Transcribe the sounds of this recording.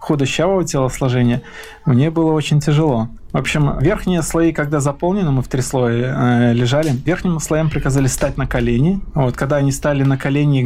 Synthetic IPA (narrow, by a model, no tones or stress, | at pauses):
xud̪əɕavəətʲelˠəslˠɐʐɛnʲɪjə | mnʲebɨlˠəo̞t͡ɕɪnʲtʲɪʐɨlˠo̞ | vopɕːɪmvʲe̞rxnʲɪjəslˠɐikɐɡ̚d̪azɐpolˠnʲɪnɨmɨft̪ɾʲɪslˠovʲɪlʲɪʐalʲɪvʲe̞rxnʲɪmslˠɐjampɾʲɪkɐzalʲɪsʲst̪at̚ʲnəkɐlʲenʲɪvo̞t̪kɐɡ̚d̪aɐnʲist̪alʲɪnəkɐlʲenʲɪ